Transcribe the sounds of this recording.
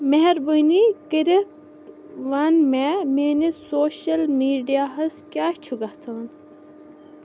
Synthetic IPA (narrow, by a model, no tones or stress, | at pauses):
meɦɛɾbənikəɾet̪ | ʋaːnmemeːnesoːɕɐlmiːɖijaɦɐskjaːt͡ʃʰuɡɐt̪ʰɐːn